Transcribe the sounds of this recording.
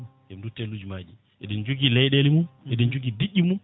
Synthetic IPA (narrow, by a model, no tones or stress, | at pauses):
ʔɛmdutːɛlud͡ʒmad͡ʒi | ʔɛɗind͡ʒuɡilɛjɗelimunɛɗind͡ʒuɡidiɗimun